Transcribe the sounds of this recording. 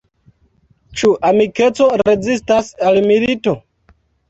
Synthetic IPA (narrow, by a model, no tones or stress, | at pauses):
t͡ʃuʔamike̞t͡so̞ɾe̞zistasalmilito̞